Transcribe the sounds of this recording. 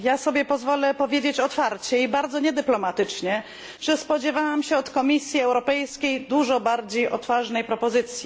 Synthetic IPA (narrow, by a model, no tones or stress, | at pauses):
jasɔbʲjɛpɔzvɔlɛpɔvʲjed͡ʑet͡ɕɔt̪faɾt͡ɕɛibaɾd̪zɔɲɛd̪ɘplɔmat̪ɘt͡ʂɲɛ | ʐ̥ɛspɔd͡ʑɛvawamɕɛɔt̪kɔmʲisʲjiɛwɾɔpɛjskʲejd̪uʐɔbaɾd͡ʑejʔɔt̪faʐnɛjpɾɔpɔzɘt̪sʲji